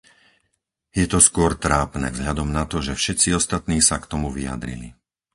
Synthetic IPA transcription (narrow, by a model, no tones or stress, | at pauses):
jɛt̪ɔskʊɔɾt̪ɾaːpnɛ̰vzɦʎad̪ɔmnat̪ɔʒɛfʃɛt̪t͡siɔst̪at̪niːsakt̪ɔmuʋia̰d̪ɾḭlḭ